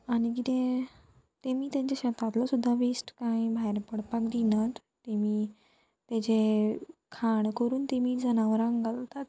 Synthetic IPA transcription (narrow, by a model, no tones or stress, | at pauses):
aɽ̃iɡit̪ẽ | t̪emiːt̪ẽɲt͡ɕaɕət̪at̪lɔsud̪ʱːaʋisʈkãĩbʱajɾpəɽpakd̪inət̪ | t̪emiː | t̪ẽd͡ʑe | kʰaɳkəɾuːnt̪emiːd͡zənaʋəɾãŋɡalt̪at̪